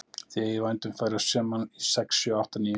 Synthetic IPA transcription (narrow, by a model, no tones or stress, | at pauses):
θɪɪvajnt̪ʏmfajɾḁsɛːmanisɛksjɔawht̪aniː